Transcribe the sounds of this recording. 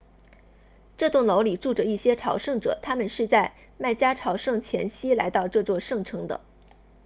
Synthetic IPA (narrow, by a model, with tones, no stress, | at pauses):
ʈ͡ʂɤ˥˧t̪ʊ˥˩ŋlo˧˥ʊli˨˩ʈ͡ʂu˥˩ʈ͡ʂə˨˩i˥˩ɕjɛ˥ʈ͡ʂʰɑ˧˥ʊʂɤ˥˩ŋʈ͡ʂɤ̰˨˩t̪ʰa˥mə˨nʂɻ̩˥˧t͡sa˥˧ɪ | ma˥˩ɪt͡ɕja˥ʈ͡ʂʰɑ˧˥ʊʂɤ˥˩ŋt͡ɕʰjɛ˧˥nɕi˥la̰˧˥ɪt̪ɑ˥˧ʊʈ͡ʂɤ˥˧t͡swɔ˥˧ʂɤ˥˩ŋʈ͡ʂʰɤ˧˥ŋd̪ə̰˧